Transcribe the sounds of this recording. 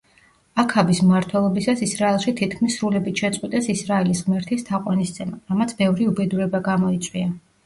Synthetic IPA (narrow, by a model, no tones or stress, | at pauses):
akʰabismaɾt̪ʰwɛlˠɔbisasisɾaɛlˠʃit̪ʰit̪̚ʰkʰmisːɾulɛbit̪ʰʃɛt̪sʼqʼwit̪ʼɛsisɾaɛlisʁmɛɾt̪ʰist̪ʰaqʼwanist̪sʰɛmaɾamat̪sʰbɛvɾiubɛd̪uɾɛbaɡamɔit̪sʼwia